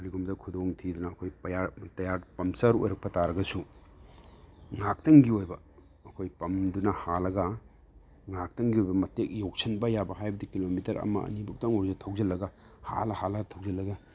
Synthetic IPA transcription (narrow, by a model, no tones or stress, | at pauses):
ɐɾiɡumdɐkʰudoŋtʰidunɐːkʰojpɐjaɾtɐjaɾpɐmsɐɾo̰jɾɐk̚pɐtaɾɐɡɐsu | ŋak̚tɐŋɡiojbɐ | ɐkʰojpɐmdunɐhalɐɡɐ | ŋak̚tɐŋɡiojbɐmɐtek̚jok̚sʰɐnbɐjabɐhajbɐdikilomitɐɾɐ̰mɐ̰ɐ̰nibuk̚taɐŋoɾzɐtʰɐwzɐlːɐɡɐ | ha̰lɐhalɐɡɐtʰɐwzɐlːɐɡɐ